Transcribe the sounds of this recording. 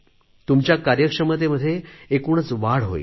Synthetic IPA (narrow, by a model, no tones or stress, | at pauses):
t̪umt͡ɕjakaɾjəkʂəməd̪̬eməd̪ʱːjeekuɳ̃ət͡sʋaɽ̤ɦo̰ḭ